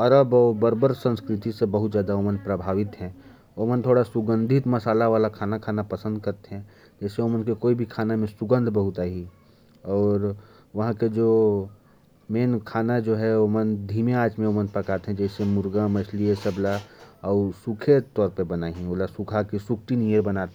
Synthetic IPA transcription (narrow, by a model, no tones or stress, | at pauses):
ɐɾəbɔːɾbəɾbəɾsə̃nskɾɪt̪isebəɦʊt̪d͡ʒjaːd̪aomənpɾəbʱaːʋɪt̪ɦɛ̃ | oːmənt̪ʰoːɽasʊɡə̃nd̪ʱɪt̪mɐsaːlaʋaːlakʰaːnakʰaːnapɐsə̃nd̪̚kɐɾt̪eɦɛ̃ | d͡ʒɛːseomənkekoːibʱikʰaːnamẽsʊɡə̃nd̪ʱbəɦʊt̪aːɦi | ɔːɾ | ʋɐɦãked͡ʒoː | meːnkʰaːnad͡ʒoːɦɛomənd̪ʱiːmeaːd͡ʒmẽoːmənpɾəkaːt̪eɦɛ̃d͡ʒɛːsemʊɾɡãmət͡ʃʰliesəblaɔːɾsukʰet̪ɔːɾpəbənaːɦĩoːlasʊkʰakisʊkʰʈinijəɾbənaːt̪ɛ̃